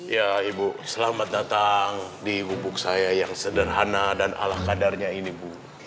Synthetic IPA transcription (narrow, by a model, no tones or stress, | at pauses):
jaibusəlamat̪̚dat̪aŋdiːbubʊk̚sajajaŋsədərɦanadana̰lahkadarɲainibu